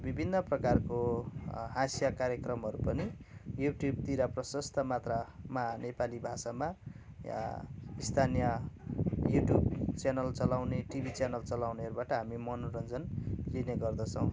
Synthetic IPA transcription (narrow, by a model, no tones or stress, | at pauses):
bibʱinːʌprʌkarko | ɦasjakaɾjʌkrʌmɦʌɾupʌnijuʈjub̚t̪iɾaprʌsʌst̪ʰʌmat̪ramanepalibʱasama | ist̪ʰanijʌ | juʈjubt͡sanʌlt͡sʌlawneʈibʱit͡sjanʌlt͡sʌlawneɦʌɾubaʈʌɦamimʌnoɾʌnd͡zʌnlineɡʌrd̪ʌt͡sʰʌ̃w̃